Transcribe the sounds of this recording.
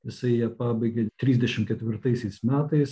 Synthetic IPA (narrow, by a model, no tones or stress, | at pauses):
jɪsɐɪijɛpɑːbɐɪɡʲet̪ʲɾʲiːzʲd̪ʲɛʃʲɪmkʲɛt̪ʲʋʲɪɾt̪ɐɪsʲɛɪsmʲæːt̪ɐɪs